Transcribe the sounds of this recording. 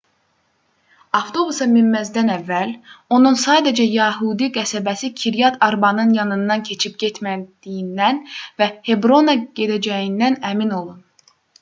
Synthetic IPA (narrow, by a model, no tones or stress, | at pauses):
ɑft̪ʰo̞busɑmimːæzd̪ænævːælo̞nunsɑːd̪ed͡ʒæjɑɦud̪iɡæsæbæsicʰiɾjɑt̪ʰɑɾbɑnɯnjɑnɯnd̪ɑncʰe̞t͡ʃʰip̚ɟet̪ʰmæd̪̥ijind̪ænvæhe̞bɾo̞nɑɟe̞d̪æd͡ʒæjind̪ænæmino̞lˠun